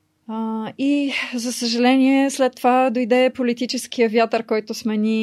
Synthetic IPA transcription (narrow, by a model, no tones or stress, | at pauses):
izəsəʒɐlɛniɛslɛt̪ːovad̪ojd̪ɛpolit̪it͡ʃɛsk̟ijəvjat̪əɾkɔjt̪ʊsmɛni